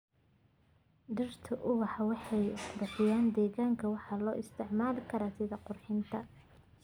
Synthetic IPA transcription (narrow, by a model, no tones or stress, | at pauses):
ɖɪrt̪ʰɐʔʊwɑħɑwɑħɑjqʊrħɪjaːnd̪ɛːɣaːŋkʰɐwɑħɑːlɔːʔɪst̪ʰɪʕmaːlɪkʰɐɾasɪðɐqʊrħɪnt̪ʰɐ